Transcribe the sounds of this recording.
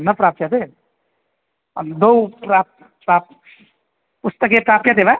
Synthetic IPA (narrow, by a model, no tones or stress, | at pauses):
nʌpɾap̚t͡ʃʰet̪e | ʌnd̪owpɾap̚ | pɾap̚ | pust̪ʌk̬epɾapket̪ema